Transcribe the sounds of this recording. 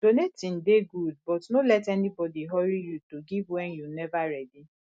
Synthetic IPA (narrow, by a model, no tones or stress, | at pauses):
d̥onetĩn̩deɡud̚bɔtnolɛtɛnibɔdiɦɔɾijutoɡivwɛnjunɛvaɾɛdi